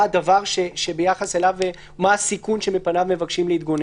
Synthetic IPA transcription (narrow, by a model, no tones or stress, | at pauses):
ad̪avaʁʃeʃe̞bejaχaselave | maasikunʃe̞me̞panavmevaɡʃimleit̪̚ɡo̞n